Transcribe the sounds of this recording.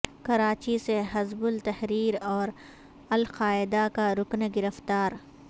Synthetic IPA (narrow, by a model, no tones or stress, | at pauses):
kɐɾaːt͡ʃiseɦɐzbʊlt̪ɐhɾiːɾɔːɾ | ɐlqaːɪd̪akaɾʊknɡɪɾəft̪aːɾ